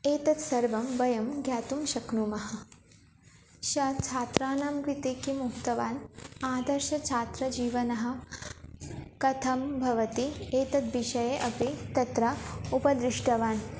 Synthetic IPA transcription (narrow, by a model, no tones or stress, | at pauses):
eːt̪ɐt̪sɐɾʋɐmʋɐjɐmɡjaːt̪umʃɐknumɐɦɐ̆ | ʃɐːt͡ʃʰaːt̪ɾaːnaːmɡɾit̪eːkimukt̪ɐʋaːnaːd̪ɐɾʃɐt͡ʃʰaːt̪ɾɐd͡ʒiːʋɐnɐɦɐ̆ | kɐt̪ʰɐmbʱɐʋɐt̪ieːt̪ɐt̪̚ʋiʃɐjeʔɐpit̪ɐt̪ɾɐupɐd̪ɾɪʂʈɐʋaːn